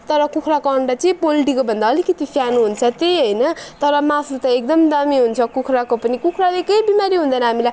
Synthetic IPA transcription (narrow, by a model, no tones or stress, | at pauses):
t̪ʌɾʌkukʰrakːɳɖʌt͡sʌĩpolʈikobʱʌnd̪aːlikʌt̪ipʰjanuɦunt͡sʰʌt̪ejɦʌjnʌt̪ʌɾʌmasut̪ʌek̚d̪ʌmd̪ʌmiɦunt͡sʰʌkukʰɾakopʌnikukʰralejkʌjbimaɾiɦund̪ʌnʌɦamilaj